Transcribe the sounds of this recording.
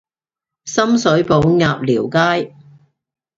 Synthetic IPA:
sɐ˥msɵ˨˥ɥpo˨˥wŋaː˨p̚liː˨˩wkaː˥j

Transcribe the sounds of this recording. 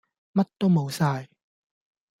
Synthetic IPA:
mɐ˥t̚t̪ːo˥wmo˨˧wsaː˧j

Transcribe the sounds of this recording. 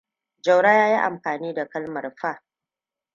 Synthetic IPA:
d͡ʒɐ˨wɽaː˦jaː˦ji˦ʔa̰˨mɸaː˨niː˦da˨kɐ˦lmɐ˨rɸa˦˨ʔ

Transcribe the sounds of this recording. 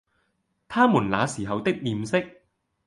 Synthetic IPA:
t̪ʰaː˥muː˨˩nla̰ː˨˧siː˨˩ɦɐ˨wt̪ɪ˥k̚jiː˨msɪ˥k̚

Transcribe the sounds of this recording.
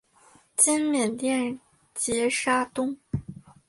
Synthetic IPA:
t͡ɕi˥nmjɛ˨˩nt̪jɛ˥˩n | t͡ɕjɛ˧˥ʂa˥t̪ʊ˥ŋ

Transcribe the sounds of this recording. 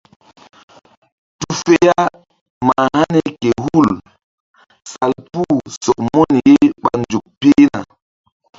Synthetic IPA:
tu˦fe˦ja˦ | ma˨ha˦ne˦ke˨hu˦˨l | sa˨lpu˦sɔ˨k̚mɔ˦ni˨je˦ɓa˨nd͡ʒu˨k̚pe˦na̰˨

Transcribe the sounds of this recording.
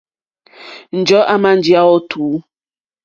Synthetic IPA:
n̩˨d͡ʒɔ˦ʔa˦ma˦n̩˨˦d͡ʒi˦a˦wɔ˦tʰuː˨˦

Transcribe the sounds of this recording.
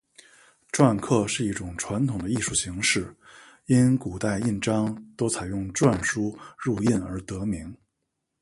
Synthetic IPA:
ʈ͡ʂwa˥˧nkʰɤ˥˧ʂɻ̩˥˧i˥˩ʈ͡ʂʊ˨˩ŋʈ͡ʂʰwa˧˥nt̪ʰʊ˨˩ŋd̪ə˦i˥˧ʂu˥˩ɕi˧˥ŋʂɻ̩˥˩ | i˥nku˨˩t̪a˥˧ɪi˥˩nʈ͡ʂɑ˥ŋt̪o˥ʊt͡sʰa˨˩ɪjʊ˥˧ŋʈ͡ʂwa˥˧nʂu˥ɻu˥˧i˥˩nə˞˧˥t̪ɤ˧˥mi˧˥ŋ

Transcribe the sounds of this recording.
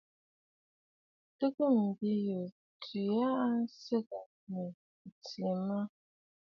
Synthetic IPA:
tə˦kə˦m̩˨bi˦jo˨ | tʰi˨a˦ʔa˦sə˦ka˨ | nə˨ | t͡si˨ma˦

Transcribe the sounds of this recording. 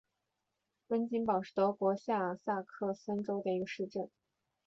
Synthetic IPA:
kə˥nt͡ɕi˥npɑ˨˩ʊʂɻ̩˥˩t̪ɤ˧˥kwɔ˧˥ɕja˥˩˨sa˥˧kʰɤ˥˩sa˥nʈ͡ʂo˥ʊd̪ə˨i˧˥ɡə˧ʂɻ̩˥˧ʈ͡ʂə˥˩n

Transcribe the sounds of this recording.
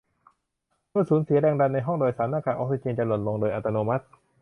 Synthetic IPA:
mɯ˥˩˨suː˨˩˦nsi˩˦ɾɛː˧ŋda˧nːa˧jɦɔ˥˩ŋdoː˧jsaː˨˦naː˥˩kaː˧˩ʔɔː˧˥k̚si˧˩t͡ɕi˧nt͡ɕa˧˩lu˨˩t̪̚lo˧ŋdoː˧jʔa˨˧˩t̪ːa˧noː˧ma˦˥t̪̚

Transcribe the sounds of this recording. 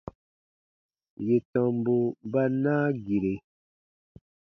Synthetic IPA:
je˨tɔ̃˨mbo˨ba˦nãː˦ɡi˨ɾe˨

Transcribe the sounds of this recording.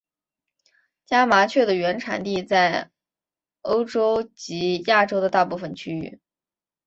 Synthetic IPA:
t͡ɕja˥ma˧˥t͡ɕʰɥɛ˥˩d̪ə˩ɥɛ˧˥nʈ͡ʂʰa̰˨˧˩nt̪i˥˧t͡sa˥˩ɪ | o˥ʊʈ͡ʂo˥ʊt͡ɕi˧˥ja˥˩ʈ͡ʂo˥ʊd̪ə˧t̪a˥˧pu˥˩fə˨˩nt͡ɕʰy˥y̰˥˩

